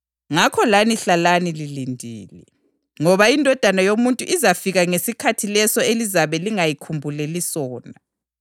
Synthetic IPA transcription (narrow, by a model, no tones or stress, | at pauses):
ŋakʰɔlaniɬalanililindʱiːlɛ̰ | ŋɔβaindʱɔd̥ʱanajomuntʼuʔizafiɣaŋesikʰatʰilɛsɔelizaβɛliŋajikʰumbʱulɛlisɔːna